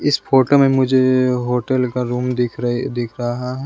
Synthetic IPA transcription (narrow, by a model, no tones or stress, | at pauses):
ɪspʰoːʈomẽmʊd͡ʒʱeɦoːʈəlkaɾuːmd̪ɪkʰɾd̪ɪkʰɾɐɦaɦɛː